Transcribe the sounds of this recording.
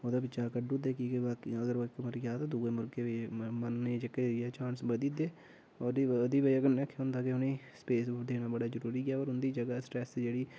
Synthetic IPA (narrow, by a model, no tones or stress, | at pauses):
od̪aːbɪt͡ʃaːkəɖuːd̪eːkiːkeʋaːkːəɡəɾkːməɾɡjaːt̪aːd̪uːeːmʊɾɡeːʋemənːd͡ʒəkeɛːt͡ʃãːnsbəd̪iːd̪eː | ɔːəd̪iːbeəɡəɾnɛːkʰeʊnd̪aːkeɦʊniː | speːsd̪eːnaːbəɽaːzəɾuːɾiːɡaːɔːɾʊnd̪iːd͡ʒəɡasʈɾɛːsd͡ʒeːɽiː